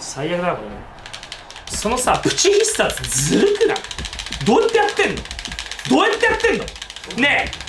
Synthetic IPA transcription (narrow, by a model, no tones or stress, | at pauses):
saijakɯd̪akoo | so̞no̞sapɯ̟̥t͡ɕiçʲist̪asd͡zɨɾɯkɯ̟na̰d̪o̞ːjat̪ːejat̪ːẽ̞nːo̰d̪o̞ːjat̪ːejat̪ːẽ̞nd̪o | ne̞